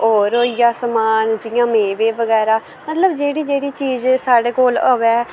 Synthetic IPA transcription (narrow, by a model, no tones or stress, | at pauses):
ɔːɾoːijaːsəmaːnd͡ʒɪjãːmẽːʋeːʋəɡɛːɾaː | mət̪ləbd͡ʒeːɽiːd͡ʒeːɽiːt͡ʃiːzsaːɽeːkoːloːʋɛː